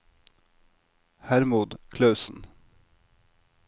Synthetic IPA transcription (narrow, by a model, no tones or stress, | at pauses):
hæɾmuːd̪kʰlɑʉsn̩